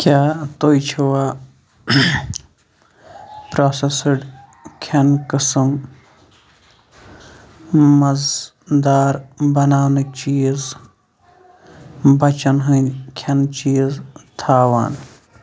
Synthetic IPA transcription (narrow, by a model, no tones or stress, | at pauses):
kʰʲjaːt̪oːjt͡ʃʰɐwaː | pɾaːsesɐɖ | kʰɐnkɨsɨm | mɐz | d̪aːɾbɐnaːwnɐt͡ʃiːz | bɐt͡ʃɐnɦɐnʲkʰɐnt͡ʃiːzt̪ʰaːʋa̰ːn